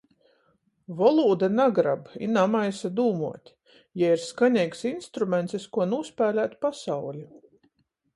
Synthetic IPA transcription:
vɔlˠuːd̪anaɡɾabinamajsad̪uːmuɔt̪ʲ | jaiɾskanʲɛjksinst̪ɾumʲɛnt̪sskuɔnuːspæːlʲæːt̪ʲpasawlʲi

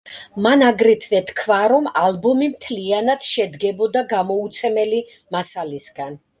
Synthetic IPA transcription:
manaɡɾit̪ʰvɛt̪ʰkʰvaɾɔmalbɔmimt̪ʰlianad̪̥ʃɛd̪ɡɛbɔd̪aɡamɔut̪sʰɛmɛli | masalisɡan

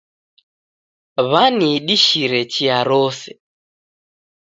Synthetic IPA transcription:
βaniɗiʃiɾɛt͡ʃiaɾɔsɛ

